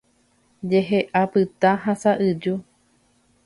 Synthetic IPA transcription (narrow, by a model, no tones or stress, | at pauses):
d͡ʒeɦeʔapɨt̪aɦasaʔɨd͡ʒu